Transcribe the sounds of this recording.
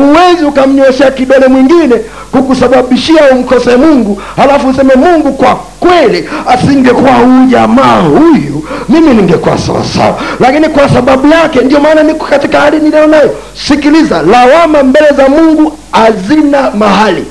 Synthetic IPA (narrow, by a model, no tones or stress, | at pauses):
uwɛziukam̩ɲɔɛʃɛakiɗɔlɛmwiŋɡinɛ | kukusaɓaɓiʃiaum̩kɔsɛmuŋɡu | halafuːsɛmɛmuŋɡukwa | kwɛliasiŋɡɛkuwauʄamaːhujumiminiŋɡɛkua̰sa̰wa̰sa̰wa̰lakinikwasaɓaɓujakɛndiɔmaːnanikɔ̥katikahaliniliɔnajɔ | sikilizalawamambɛlɛzamuŋɡu | azinamahalḭ